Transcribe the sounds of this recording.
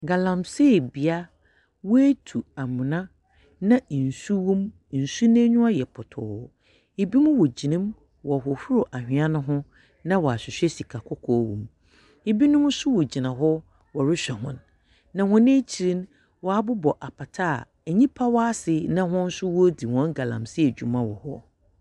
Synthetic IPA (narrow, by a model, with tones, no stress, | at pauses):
ɡa˨lã˨mse˦˨bi˨a˦ | wɔ˦e˦tʰu˨a˨mʊ̃˨nã˦ | nã˦˨n̩˨su˦wũ˦m | n̩˨su˦nẽ˦ɲũ˦a˦jɛ˨pʰʊ˨tʰɔ̰ː˨ | e˨bi˦mʊ̃˦wɔ˨d͡ʑi˨nɪ̃˦m | wɔ˨ɦʊ˨fʊ˦ɾʊ˨ʔa˨hᶣɪ̃˨ã˦nʊ̃˦ɦʊ̃˦ | nã˦wɔ˨a˨ɕɪ˨ɕᶣɛ˦si˨kʰa˨kʰɔ˦kʰɔː˦wṵ̃˨m | e˨bi˦nʊ̃˦m̃˦sʊ˦wɔ˨d͡ʑi˨nã˨ɦɔ˦ | wɔ˨ɾɪ˦ɕᶣɛ˨ɦʊ̃˦nː | ã˨hʊ̃˦nẽ˦t͡ɕʰi˨ɾĩ˦n | wɔ˨a˨bʊ˦bɔ˨ʔa˨pʰa˨tʰa̰˦˨ | ɲĩ˦pʰa˦wɔ˦a˦sɪ˨nã˦ɦʊ̃˦n̩˦sʊ˦wɔ˦di˨wɔ̃˦ɡa˨lã̰˨msɪ˦ɛ˨d͡ʑᶣu˨mã˦wɔ˨hɔ˦